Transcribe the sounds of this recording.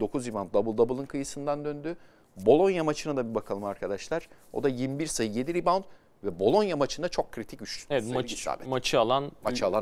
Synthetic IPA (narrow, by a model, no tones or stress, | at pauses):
d̪o̞kʰuzɾibant̪̚d̪abɯlˠd̪abɯlˠɯnkʰɯjɯsɯnd̪and̪ø̞nd̪y | bo̞lˠo̞njamat͡ʃʰɯnad̪abibakʰalˠɯmaɾkʰad̪aʃlˠaɾ̥ | o̞̰d̪ajimbiɾsajɯje̞d̪iɾiband̪ | vɛbo̞lˠo̞njamat͡ʃʰɯnd̪at͡ʃʰo̞kʰːɾit̪ʰicyt͡ʃ̪ɛvɛmaa̰ːbɛ̰mat͡ʃʰɯalˠanmat͡ʃʰɯalˠan